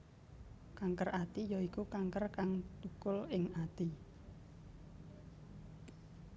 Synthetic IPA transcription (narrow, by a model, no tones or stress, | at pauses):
kaŋkərat̪ijoikukaŋkərkaŋt̪ukʊlɪŋat̪i